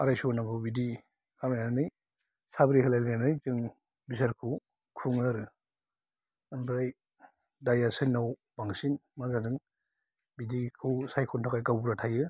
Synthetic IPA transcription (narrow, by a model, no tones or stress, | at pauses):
aɾajsunakʰubidi | kʰamajanɯj | sabɾihʰɯlajlanɯjzɯŋ | bisaɾkʰu | kʰuŋɯɾɯ | mbɾaj | dajasɯnːawbaŋsinmazadɯŋ | bidikʰusajkʰɔntʰakajkawbuɾatʰajɯ